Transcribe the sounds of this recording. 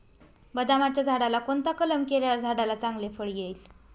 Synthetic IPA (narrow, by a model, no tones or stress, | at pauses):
bəd̪amat̪jad͡zʱaɽalakont̪akələmkeljaɾd͡zʱaɽalat͡saŋɡlefəɽɡejl